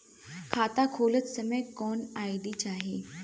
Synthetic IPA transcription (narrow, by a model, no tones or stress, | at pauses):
kʰat̪akʰolət͡ssəməjkɔnajɖiːt͡ɕaːɦe